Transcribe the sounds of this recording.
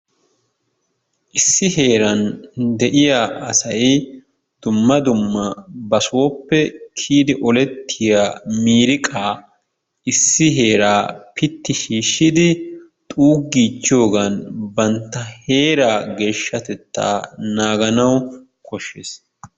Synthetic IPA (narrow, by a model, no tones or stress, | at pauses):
ʔɪsːɪhe̞ːɾɐnd̪ɛʔɪjaɐsɐj | d̪̥ʊmːɐd̪ʊmːɐbɐsʊwɔpːɛkʰiːd̪ɪʔɔlɛt̪ʰːɪjaːmiːɾɪkʼaː | ɪsːɪɦe̞ːɾaːpɪt̪ːɪʃiːʃːɪd̪ɪ | t̪ʼuːɡːiːt͡ʃːɪjo̞ːɡɐnbɐnt̪ːɐhe̞ːɾaːɡe̞ːʃːɐt̪ɛt̪ːa̰ːnaːɡɐnɐw | kʰɔʃːeːs